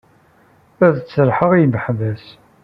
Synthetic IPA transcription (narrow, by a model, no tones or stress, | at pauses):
æðt͡sːəɾħəʁiməħvæs